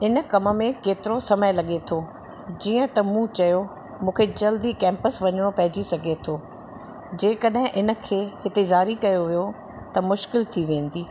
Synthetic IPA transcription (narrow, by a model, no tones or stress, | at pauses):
ɪn̆kɐmə̆mẽkeːt̪ɪɾosɐməjlɐɠet̪ʰo | d͡ʑiːə̃t̪ɐmũt͡ɕɐjo | mũːkʰed͡ʑɐld̪ikɛ̃ːmpəsʋɐɲəɽ̃opɐɦɪd͡ʑisɐɡʱet̪ʰoː | d͡ʑeːkɐɗɦɪ̃ʔɪnə̆kʰeːɦɪt̪ezaːɾikɐjoʋijo | t̪ɐmʊʃkɪlt̪ʰiʋẽːn̆d̪iː